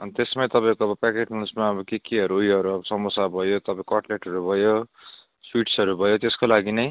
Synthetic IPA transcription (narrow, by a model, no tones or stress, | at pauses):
ʌnt̪esmaj̃t̪ʌpãĩkoʌbʌpakeʈnunsmaʌbʌkekiɦʌɾuujɦʌɾuʌbʌsʌmʌsabʱʌjot̪ʌpãĩkʌʈleʈɦʌɾubʱʌjo | swiʈsʌɾubʱʌjot̪eskolaɡinʌj